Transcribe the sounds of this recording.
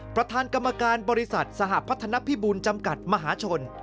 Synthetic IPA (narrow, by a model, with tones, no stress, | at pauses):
pɾa˧t̪ʰaː˧nka˧mːa˧kaː˧nbɔː˧ɾi˦˥sa˨˩t̪̚sa˧ɦa˨˩ʔpʰa˦˥t̪ʰːa˧na˦˥pʰiː˦˥buː˧nt͡ɕa˧mka˨˩t̪̚ma˧ɦaː˩˦t͡ɕʰo˧n